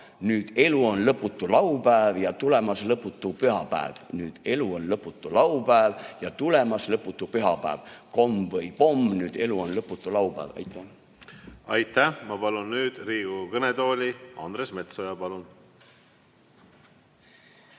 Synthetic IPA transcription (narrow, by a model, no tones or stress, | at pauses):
nyːd̪̥e̞luonlɤpːˑut̪ːˑulɑupæevjɑt̪ule̞mɑslɤpːˑut̪ːˑupyɦɑpæ̰ḛvnyːd̪̥e̞luonlɤpːˑut̪ːˑulɑwpæevjɑt̪ulemɑslɤpːˑut̪ːˑupyɦɑpæ̰ːvko̞mvɤjpo̞mnyːd̪̥e̞luonlɤpːˑut̪ːˑulɑwpæ̰ːvɑ̰jt̪ːˑæ | ɑjt̪ːˑæhmɑpɑlunːyːd̪̥riːɡ̥ukɤned̪o̞ːlʲiɑnd̪ɾesme̞t̪sojɑpɑlun